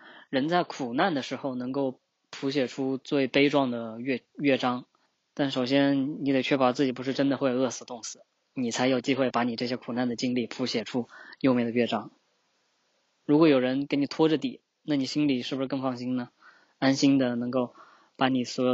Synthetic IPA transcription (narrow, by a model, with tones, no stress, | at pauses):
ɻə˧˥nt͡sa˥˩ɪkʰu˨˩na˥˩nd̪ə˩ʂɻ̩˧˥xo˧ʊnɤ˧˥ŋko˥˩ʊ | pʰu˧˥ɕ̬jɛ˨˩ʈ͡ʂʰu˥t͡swe˥˩ɪpe˥ɪʈ͡ʂwɑ˥˩ŋd̪ə˩ɥɛ˥˧ɥɛ˥˩ʈ͡ʂɑ˥ŋ | t̪a˥˩nʂo˨˩ʊɕjɛ˥ni˧˥d̪e˨˩t͡ɕʰɥɛ˥pɑ˧˥t͡sɹ̩˥˩i˨˩p̬u˧˥ʂɻ̩˥˩ʈ͡ʂə˥nd̪ə˧xwe˥˩ɪo˨˩ɤ˥˩sɹ̩˧˩t̪ʊ˥˩ŋsɹ̩˨˩˦ | ni˨˩t͡sʰa˧˥ɪjo˨˩ʊt͡ɕi˥xwe˥˩ɪpa˧˥ni˨˩ʈ͡ʂɤ˥˩ɕ̬jɛ˥kʰu˨˩na˥˩nd̪ə˩t͡ɕi˥ŋli˥˩pʰu˧˥ɕjɛ˨˩ʈ͡ʂʰu˥jo˥˧ʊmjɛ˥˩ɪd̪ə˩ɥɛ˥˩ʈ͡ʂɑ˥ŋ | ɻu˧˥kwɔ˥jo˨˩ʊɻə˧˥nke˧˥nni˨˩t̪ʰwɔ˥ʈ͡ʂə˥˧t̪i˨˩˦ | na˥˩ni˨˩ɕi˥nli˨˩ʂɻ̩˥˩bu˩ʂɻ̩˥˧kɤ˥˧ŋfɑ˥˩ŋɕi˥nnə˨ | a˥nɕi˥nd̪ə˨nɤ˧˥ŋko˥˩ʊ | pa˧˥ni˨˩swɔ˧˥jo˨˩